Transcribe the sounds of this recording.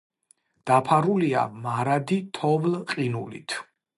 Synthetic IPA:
d̪̥apʰaɾulia̰maɾad̪it̪ʰɔvlqʼinulḭt̪ʰ

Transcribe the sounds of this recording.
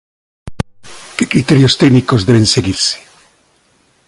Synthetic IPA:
kekɾit̪eɾjost̪eɡnikozðeβẽnseɣiɾse̥

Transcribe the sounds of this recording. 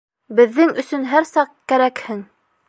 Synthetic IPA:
bɘ̆ðːɘŋɵ̆sɵ̆nɦæɾsɑqkæɾækhɘŋ

